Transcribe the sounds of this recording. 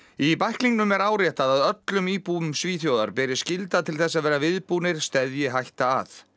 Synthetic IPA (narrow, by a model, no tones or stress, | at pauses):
ipajhkliŋknʏmɛɾaːwɾjɛht̪aðaðœt̪lʏmiːpuːʏmsviːθjowða̰ɾpɛːɾɪ̥scɪlt̪at̪ʰɪlθɛsːaðvɛːɾavɪðpuːnɪɾ̥st̪ɛðjɪɦajht̪a̰ːθ